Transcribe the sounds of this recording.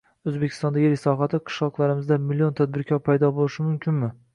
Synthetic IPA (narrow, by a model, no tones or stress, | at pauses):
ɵzbekʲʰɪ̥st̪ɒnd̪aɡʲeɪkʲsɒɦat̪ʰɪqʰɨ̥ʃlˠɒqlˠaɾɪmɪzd̪amɪlːijont̪ʰad̪̚bɪɾkʲʰɒɾpʰajd̪ɒbolɪʃɪmʊmkʲʰɪnmɪ